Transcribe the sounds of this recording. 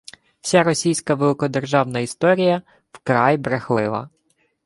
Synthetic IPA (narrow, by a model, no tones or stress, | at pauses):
wsʲaɾɔsʲijsʲkɐʋelˠɪkɔd̪erʒɑwnɐist̪ɔɾʲijɐ | wkɾɑjbɾexlˠɪlˠɐ̰